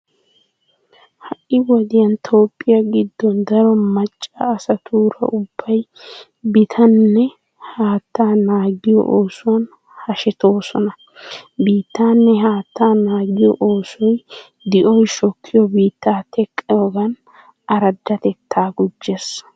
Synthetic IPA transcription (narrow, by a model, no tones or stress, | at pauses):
hɐʔɪwɔd̪ɪjɐnt̪ʰo̞ːpʼːɪjɐɡɪd̪ːɔnd̪ɐɾɔmɐt͡ʃʼːɐːsɐt̪ʰuːɾɐ̰ʊb̥ːɐj | bɪt̪ʰɐnːɛ | haːt̪ːaːnaːɡɪjɔ̰ʔoːsʊwɐn | hɐʃɛt̪o̞ːsɔnɐ | biːt̪ːaːnːɛɦaːt̪ːaːnaːɡɪjɔ̰ʔoːsɔj | d̪ɪʔɔjʃɔkʰːɪjɔbiːt̪ːaːt̪ʰɛkʼːɪjɔɡɐn | ɐɾɐd̪ːɐt̪ɛt̪ːaːɡʊd͡ʒːes